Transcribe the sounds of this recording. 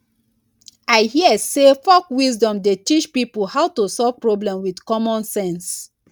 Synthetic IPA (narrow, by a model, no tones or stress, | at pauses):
aɪhiəsefɔkwizdɔ̃mdetit͡ʃpipulhaʊtusɔv̥pɹoblɛ̃mwidkɔmɔ̃nsɛ̃ns